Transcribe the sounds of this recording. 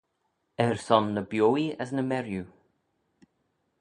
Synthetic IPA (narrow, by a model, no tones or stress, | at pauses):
ɛɹsɔnːəbjoːiə̰snəmɛɾju